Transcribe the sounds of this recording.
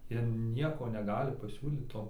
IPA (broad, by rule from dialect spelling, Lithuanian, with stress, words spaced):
ˈjiɛ ˈnʲiɛkoː nʲɛˈɡɑːlʲɪ pɐˈsʲuːlʲiːt ˈtoː